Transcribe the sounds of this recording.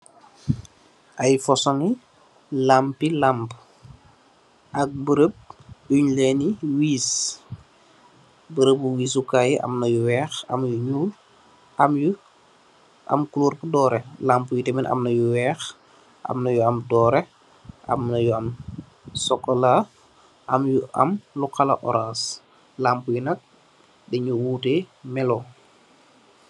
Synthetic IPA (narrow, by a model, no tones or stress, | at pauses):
ʔɐjfɔsɔŋi | lampilamp | ʔɐk̚bəɾəp̚uɲlɛniwiːs | bəɾəbuwiːsukajiʔɐ̰mnɐjuwɛːxɐ̰mjuɲuːl | ʔɐmju | ʔɐ̰mkuluːɾkədɔːɾɛlaːmpujutɛmɛnʔa̰mnɐjuwɛːx | ʔa̰mnɐjuɐmdɔːɾɛ | ʔɐ̰mnɐjuɐm | sɔkːɔla | ʔɐmjuʔɐ̰mlukalɐ̰ʔɔɾas | laːmpujunɐk̚ | bɛɲuwuːtɛmɛlo